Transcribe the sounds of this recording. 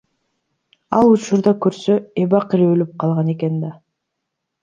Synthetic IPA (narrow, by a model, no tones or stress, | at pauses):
ɑlˠut͡ʃuɾd̪ɑkøɾsøeβɑqiɾølyp̚qʰɑlˠʁɑne̞ke̞nd̪ɑ